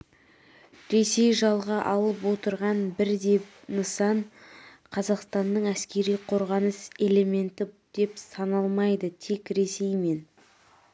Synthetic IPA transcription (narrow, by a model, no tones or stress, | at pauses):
ɾe̞se̞jʒɑlˠʁɑʔɑlˠəp̬wo̞t̪əɾʁɑnbɪɾd̪e̞ | nəsɑɴ | qʰɑzɑqst̪ɑnd̪əɴæskʲe̞ɾijqʰo̞ɾʁɑnəse̞le̞me̞nt̪ɪ | d̪̥e̞psɑnɑlˠmɑjd̪ət̪ʰe̞kɾe̞se̞jme̞n